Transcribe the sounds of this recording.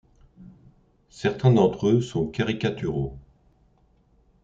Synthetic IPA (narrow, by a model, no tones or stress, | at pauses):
sɛʁt̪ɛ̃d̪ɑ̃t̪χøsɔ̃kaʁikat̪yʁo